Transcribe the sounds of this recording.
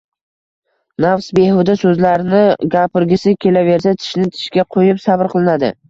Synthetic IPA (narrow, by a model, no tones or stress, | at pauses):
nafsbe̞ɦʊd̪asɵzlaɾɪnɪɡʲapɪɾɡʲɪsɪkʲʰe̞lave̞ɾsat̪ʰɪ̥ʃnɪt̪ʰɪ̥ʃkʲaqʰojɪpsabɾqʰɨlˠɪnad̪ɪ̰